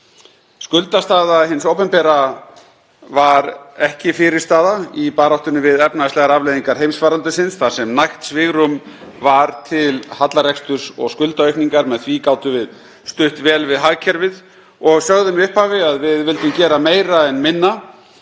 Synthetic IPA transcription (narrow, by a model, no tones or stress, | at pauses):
skʏlt̪ast̪aːðaɦɪnsowpɛmpɛɾa | vaɾɛhcɪfɪɾɪ̥st̪aːðaipaːɾawht̪ʏnʏvɪðɛpnaslɛɣaɾavlejðiŋkaɾ̥ɦejmsfvaːɾant̪ʏsɪnsθasɛmnajht̪svɪɣɾʏmvaɾt̪ʰɪlhat̪laɾɛkst̪ʏɾ̥sɔ̰ɣskʏlt̪aœɥkniŋkaɾmɛðθviːkaːwt̪ʏvɪð | st̪ʏht̪vɛːlvɪðɦaɣcʰɛɾvɪð | ɔɣsœɣðʏmiʏhphaːvɪaðvɪðvɪlt̪ʏmcɛːɾameːjɾaɛnmɪnːa